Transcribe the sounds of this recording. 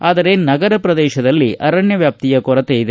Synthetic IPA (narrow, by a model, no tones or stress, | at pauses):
aːd̪ɐɾe̞nɐɡɐɾɐpɾɐd̪ɛːʃɐd̪ɐlːiɐɾɐɳjɐʋjaːp̚t̪ijɐkɔɾɐt̪eːjid̪e